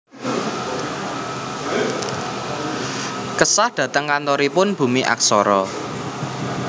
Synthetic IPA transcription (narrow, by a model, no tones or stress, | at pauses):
kəsahd̪̥ä̤t̪əŋkant̪ɔɾipʊnb̥ṳmiʔa̰k̚sɔɾɔ